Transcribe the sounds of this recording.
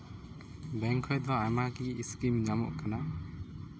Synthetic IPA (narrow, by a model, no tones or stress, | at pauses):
bɛŋkʰɔjd̪ɔajmaɡiːskimɲamɔ̰ʔkana